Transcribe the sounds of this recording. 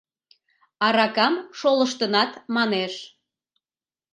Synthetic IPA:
ɑɾɑkɑmʃoləʃt̪ənɑt̪mɑneʃ

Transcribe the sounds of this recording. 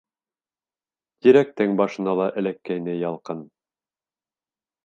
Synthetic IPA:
t̪iɾæk̚t̪ɘŋbɑʃɤ̆nɑlˠɑʔɘ̆lækːæjnɘjɑlˠqɤn

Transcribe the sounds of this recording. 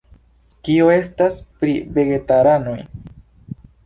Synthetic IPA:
kioe̞staspɾive̞ɡe̞taɾanoj

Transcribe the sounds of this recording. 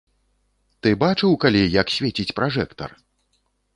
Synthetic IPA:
t̪ɨbat͡ʂɨwkalʲijɐksʲvʲet͡sʲit͡sʲpɾaʐɛkt̪ɐ̰r

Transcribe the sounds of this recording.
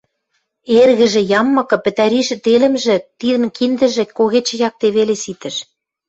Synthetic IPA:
erɣɘ̆ʒĕjɑmːɤ̆kɤ̆pɘ̆t̪æɾiʃɘ̆t̪elə̆mʒĕt̪iðə̆mkind̪ə̆ʒĕkːoɣet͡ɕĕjɑk̚t̪eβelesit̪ə̆ʃ

